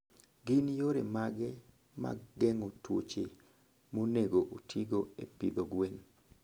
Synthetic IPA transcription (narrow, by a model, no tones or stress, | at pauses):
ɡɪnjoɾemaɡɛ | ma̰ɡɡɛŋotwo̰t͡ʃe | moneɡoʔotʰiɡoḛpid̪oɡwen